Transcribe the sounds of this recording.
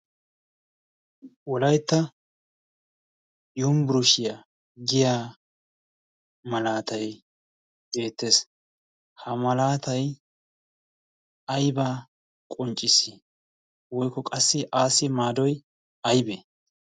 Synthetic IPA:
wɔlɐjt̪ːɐ | jumbɪɾʊʃɪja | ɡɪjaː | mɐlaːt̪ɐj | be̞ːt̪ːe̞ːs | hɐmɐlaːt̪ɐj | ɐjbaː | kʼɔnt͡ʃʼːɪsɪ | wɔjkːɔkʼɐsːɪʔaːsɪmaːd̪ɔj | ɐjbe

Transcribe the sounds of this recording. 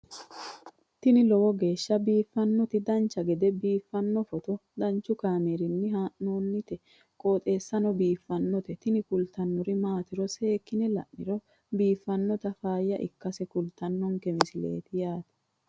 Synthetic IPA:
t̪ɪnɪlɔwɔɡe̞ːʃːɐbiːfːɐnːɔt̪ɪd̪ɐnt͡ʃːɐɡɛd̪ɛbiːfːɐnːɔfɔt̪ɔd̪ɐnt͡ʃːʊkaːmeɾɪnːɪhaːʔnoːnːɪt̪ɛ | kʼoːt̪ʼe̞ːsːɐnɔbiːfːɐnːɔt̪ɛt̪ɪnɪkʊlt̪ɐnːɔɾɪmaːt̪ɪɾɔse̞ːkːɪnɛlɐ̰ʔːɪɾɔ | biːfːɐnːɔt̪ɐfaːjːɐʔɪ̰kːɐsɛkʊlt̪ɐnːɔŋkɛmɪsɪlḛːt̪ɪjaːt̪ɛ̥

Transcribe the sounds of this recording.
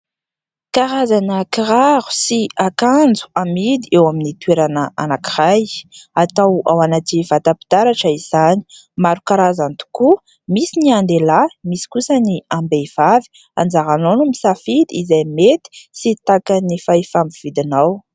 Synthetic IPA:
kaɾazanəkiɾaɾu̥siakand͡zu̥amid̪iewaminit̪weɾanəʔa̰nakiʁajat̪awa̰wanativat̪apid̪̥aɾaʈ͡ʂəiz̥ani̥ | maɾukaɾazant̪u̥ku | misiniand̪elamisi̥kusəniambejv̥avi̥ | a̰nd͡zaɾanonumisafid̪iizajmet̪i̥sit̪akanifaifambiv̥id̪inaw

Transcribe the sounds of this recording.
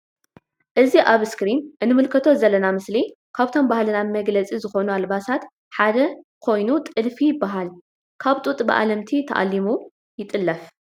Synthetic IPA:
ʔɨziʔaβskɾinʔɨnːɨmɨlkʰɐt̪ʰo̞zɐlːɐnamɨsli | kʰaβt̪ʰo̞mbahlɨnamɐɡlɐt͡sʼizɨxo̞nualbasat̪ | ħad̪ɐkʰo̞jnut̪ʼɨlfijɪbːaɦal | kʰaβt̪ʼut̪ʼbɨ̰ʔa̰lɐmt̪ʰit̪ʰɐʔa̰lːimu | jɪt̪ʼɨlːɐf

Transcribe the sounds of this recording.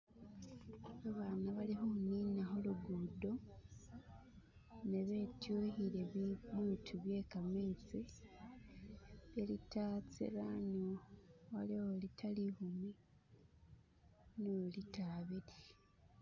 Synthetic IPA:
βaβaːnaβalixohuniːnaɦoluɡudo̞ | neβe̞tjuːhiɾe̞βiβjuːtʰuβje̞ːkamit͡si | βjelitaːt͡sḛɾanowaliolitʰalihumi | noolitaβiɾi

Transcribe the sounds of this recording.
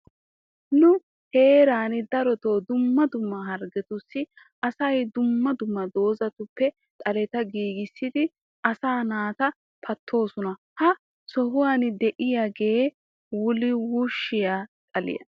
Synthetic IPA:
nʊ | heːɾaːnɪd̪ɐɾɔt̪o̞ːd̪ʊmːɐd̪ʊmːɐɦɐɾɡɛt̪ʊsːɪ | ɐsɐjd̪ʊmːɐd̪ʊmːɐd̪o̞ːzɐt̪ʊpːɛ | t̪ʼɐlɛt̪ɐɡiːɡɪsːɪd̪ɪ | ɐsaːnaːt̪ɐ | pʰɐt̪ʰːo̞ːsʊnɐ | hɐ | sɔhʊwaːnɪd̪ɛʔɪjaɡe | wʊlɪwuʃːɪjat̪ʼɐlɪ̰jɐ̰

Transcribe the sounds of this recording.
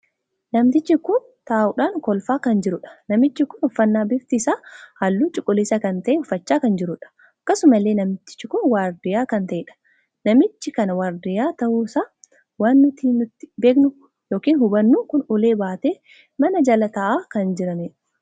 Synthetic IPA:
nɐmt̪ɪt͡ʃːɪkʊn | t̪aːʔʊᶑaːŋkɔlfaːkɐnd͡ʒɪɾʊᶑɐ̥nɐmɪt͡ʃːɪkʊnɔfːɐnːaːbɪft̪ɪɪsaːhɐlːuːt͡ʃʼɪkʼːʊlɪsɐkɐnt̪ɐʔeʊfɐt͡ʃːaːkɐnd͡ʒɪɾʊᶑɐ̥ | ɐkːɐsʊmɐlːeːnɐmt̪ɪ̥t͡ʃːɪkʊnwaːɾd̪ɪjaːkɐnt̪ɐʔeːᶑɐ̥ | nɐmɪt͡ʃːɪkɐnɐwaːɾd̪ɪjaːt̪ɐʔuːsaː | waːnːʊt̪iːnʊt̪ːɪ̥be̞ːknʊ | jo̞ːkiːnhʊbɐnːuːkʊnʊle̞ːbaːt̪eː | mɐnɐd͡ʒɐlɐt̪ɐʔaːkɐnd͡ʒɪɾɐneᶑɐ̥

